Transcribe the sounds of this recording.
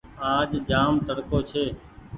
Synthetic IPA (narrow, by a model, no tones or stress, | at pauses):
aːd͡ʒd͡ʒaːmt̪əɽkoːt͡ʃʰeː